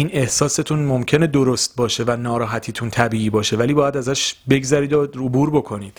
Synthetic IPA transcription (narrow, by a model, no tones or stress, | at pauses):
iːne̞hsɒːse̞t̪ʰuːnmo̞mcʰe̞ne̞d̪oɾo̞st̪̚bɒːʃe̞vænɒːɾɒːɦæt̪ʰiːt̪ʰunt̪ʰæbiːiːbɒːʃe̞væliːbɒːjæd̪æzæʃbe̞ɡzæɾiːd̪oobuːɾbo̞kʰo̞niːd̥